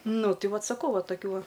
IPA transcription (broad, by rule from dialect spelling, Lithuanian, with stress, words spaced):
ˈnʊ ˈtʲɪ ˈʋɐt sɐˈkɐʊ ˈʋɐ tɐˈkʲuː ˈʋɐ